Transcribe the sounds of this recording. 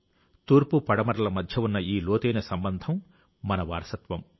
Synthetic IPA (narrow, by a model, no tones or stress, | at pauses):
t̪uːɾpupɐɽɐmɐɾɐlɐmɐd̪ʱjɐunːɐiːloːt̪eːnɐsɐmbɐnd̪ʱɐmː | ɐnɐʋaːɾsɐt̪ʋɐm